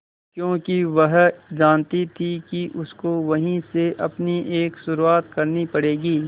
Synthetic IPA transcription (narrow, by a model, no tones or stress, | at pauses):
kjõːkiʋɐɦd͡ʒaːnt̪it̪ʰikiʔʊskoʋɐɦĩseʔɐpniʔeːksʊɾuaːt̪kɐɾnipɐɽeːɡiː